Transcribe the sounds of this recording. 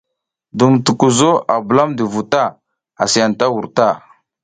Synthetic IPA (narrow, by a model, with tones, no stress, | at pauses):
du˨mtu˨ku˨zo˦a˨bə˨la˦mdə˨vu˨ta˦ | a˨si˨a˨n˨ta˦wu˨ɾta˦˨